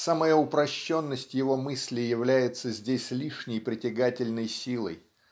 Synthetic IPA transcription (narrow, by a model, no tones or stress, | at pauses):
saməjəʊpɾɐɕːo̞nːəsʲtʲjɪvo̞mɨsʲlʲɪjːɪvlʲæjɪt̪səzʲdʲesʲlʲiʂnʲɪjpɾʲɪtʲɪɡatʲɪlʲnəjsʲilˠə̰j